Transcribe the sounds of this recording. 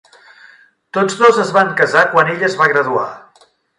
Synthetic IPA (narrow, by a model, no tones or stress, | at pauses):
t̪od͡zzðozəzβaŋkəzakwaneʎəzβaɣɾəðua̰